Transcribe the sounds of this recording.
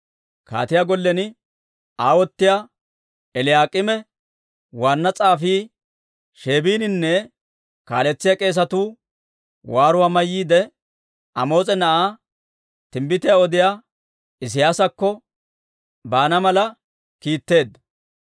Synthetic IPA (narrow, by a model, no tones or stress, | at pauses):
ka̰ːt̪ɪjaɡɔlːɛnɪ | aːwɔt̪ːɪjaː | ɛlɪjaːkʼɪmɛ | waːnːɐt͡sʼaːfiː | ʃe̞ːbiːnɪnːɛ | ka̰ːlɛt͡sːɪjakʼe̞ːs̬ɐt̪uː | waːɾʊwaːmɐjːiːd̪ɛ | ɐmo̞ːt͡sʼɛnɐʔaː | t̪ɪmbɪt̪ɪjaɔd̪ɪjaː | ɪs̬ɪjaːsɐkːɔ | baːnɐmɐlɐ | kiːt̪ːe̞ːd̪ɐ